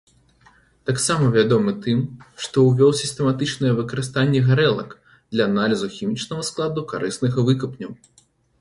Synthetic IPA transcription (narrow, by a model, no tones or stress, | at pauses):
t̪aksamɐvʲad̪ɔmɨt̪ɨmʂt̪ɔwvʲɔwsʲist̪ɛmat̪ɨt͡ʂnɐjɛvɨkɐɾɨst̪anʲːɛɣaɾɛlˠɐ̰k | d̪̥lʲɐːnalʲizuxʲimʲit͡ʂnɐɣɐsklˠad̪uka̰ɾɨsnɨɣɐvɨkɐpnʲɐw